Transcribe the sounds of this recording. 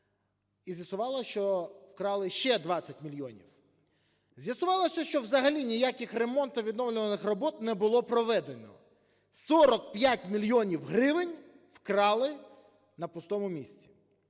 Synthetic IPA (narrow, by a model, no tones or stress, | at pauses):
izʲjɐsʊʋɑlˠɐʃt͡ʃɔwkɾɑlˠɪʃt͡ʃɛd̪ʋɑt͡sʲːɐtʲmʲilʲjɔnʲḭw | zʲjɐsʊʋɑlˠɐsʲɐʃt͡ʃɔwzɐɦɐlʲinʲijakɪxremɔnt̪ɔʋʲid̪nɔwlʲʊʋɐnɪxrɔbɔt̪nɛbʊlˠɔpɾɔʋɛd̪enɔ̰ | sɔɾɔkpʲjatʲmʲilʲjɔnʲiwɦɾɪʋɪnʲ | wkɾɑlˠɪ | nɐpʊst̪ɔmʊmʲisʲt͡sʲi̥